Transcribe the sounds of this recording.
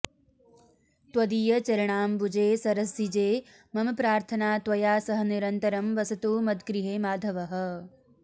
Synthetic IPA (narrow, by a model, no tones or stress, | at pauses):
t̪wɐd̪iːjɐt͡ʃɐɾɐɳ̃aːmbud͡ʒeːsɐɾɐsːid͡ʒeː | mɐmɐpɾaːɾt̪ʰɐnaːt̪ʋɐjaːsɐɦɐ̆niɾɐnt̪ɐɾɐmʋɐsɐt̪uːmɐd̪ɡɾiɦeːmaːd̪ʱɐʋɐɦɐ̆